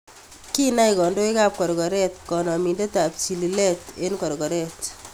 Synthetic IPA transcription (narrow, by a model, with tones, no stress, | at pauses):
ki˦na˦ikɔ˨ndo˦i˦ka˦˨p̚kɔ˨ɾkɔ˨ɾɛ˦tkɔ˨nɔ˨mi˨nde˦ta˨p̚t͡ʃi˨li˨lɛ˦te˦nkɔ˨ɾkɔ˨ɾɛ˦t